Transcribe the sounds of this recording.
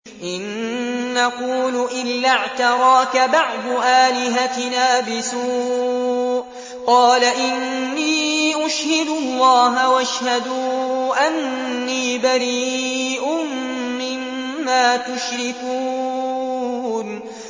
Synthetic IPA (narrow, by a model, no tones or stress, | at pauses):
ʔɪnʔaquːlʊʔɪlːaʕt̪ɑɾˤɑːkabɑʕd̪ˤʔaːlɪɦat̪ɪnaːbɪsuːʔʔ | qɑːlaʔɪnː | iːʔʊʃhɪd̪ʊlˤːɑːɦawaʃhad̪uʔanːiːbaɾiːʔʊmː | ɪmːaːt̪ʊʃɾɪkuː | n